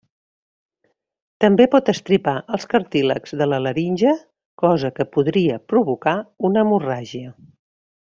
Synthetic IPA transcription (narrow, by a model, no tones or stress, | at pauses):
t̪əmbepɔt̪əst̪ɾipaʔəlˠskəɾt̪iləkz̥ðələləɾinʲʒə | kɔzəkəpuðɾiəpɾuβukaunəmuraʒiə